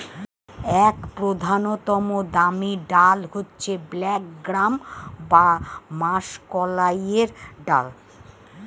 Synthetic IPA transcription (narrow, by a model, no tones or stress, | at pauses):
ɛkpɾod̪ʱanot̪omod̪amiɖalɦotːɕʰeblɛkɡɾambamaʃkɔlajeɾɖa̰l